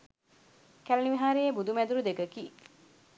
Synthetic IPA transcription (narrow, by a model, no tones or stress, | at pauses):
kælenimiɦaːɾejebud̪umæd̪uɾud̪eɡəki